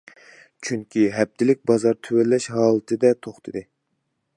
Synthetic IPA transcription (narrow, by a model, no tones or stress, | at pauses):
t͡ʃʰyŋkʲʰiɦɛb̚t̪ʰɪlɪk̚ʲbɑzɑɾt̪ʰøwɛlːɛʃɦɑːlˠɨt̪ʰɨd̪ɛt̪ʰoχt̪ʰɨd̪ɨ